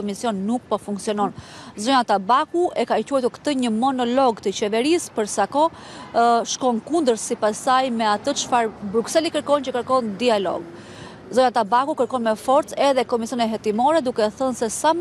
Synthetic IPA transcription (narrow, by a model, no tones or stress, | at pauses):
ɔmisjɔnːuk̚pɔfuŋksiɔnɔnzɔjat̪abakuʔɛkacuɛjt̪uɾkt̪əɲəmɔnɔlɔɡt̪ət͡ɕɛvɛɾispəɾsakɔ | ʃkɔnkund̪əɾsipasajmɛat̪ət͡ʃfaɾbɾuksɛlikəɾkɔnt͡ɕəkəɾkɔnd̪ialɔ̰ɡ | zɔjat̪abakukəɾkɔnmɛfɔɾt͡sɛðɛkɔmisjɔnɛɦɛt̪imɔɾɛd̪ukɛθənsɛsam